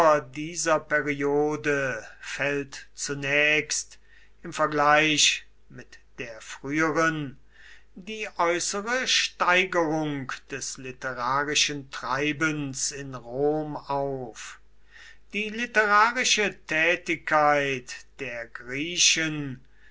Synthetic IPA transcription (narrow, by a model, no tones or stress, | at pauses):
ɐdiːzɐpɛʁioːdəfɛltt͡sunɛːkst | ɪmfɛɐɡlaɪɕ | mɪtd̥eːɐfʁ̥yːəʁən | diːʔɔʏsəʁəʃtaɪɡəʁʊŋkd̥ɛslɪtəʁaːʁɪʃəntʁ̥aɪbənsɪnʁoːmaʊf | d̥iːlɪtəʁaːʁɪʃətʰɛːtɪkʰːaɪtd̥eːɐɡʁiːʃən